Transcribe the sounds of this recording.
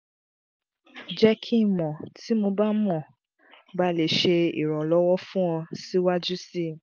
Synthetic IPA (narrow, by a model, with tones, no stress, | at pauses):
d͡ʒɛ˦kʰi˦mɔ̃˨tʰi˨˦mo˧ba˦mɔ̃˦˨ | ba˦le˨ʃe˧ḭ˨ɾ̃ɔ̃˨lɔ˦wɔ˦fũ˦ɔ̃˧si˦wa˦d͡ʒu˦si˦